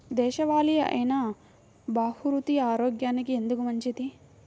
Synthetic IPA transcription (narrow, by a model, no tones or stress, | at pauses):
d̪ɛːʃɐʋaːlijɐʔɐ̰jnɐ | baːhuɾut̪iaːɾoːɡjaːnikie̞nd̪ukumɐɲt͡ʃid̪i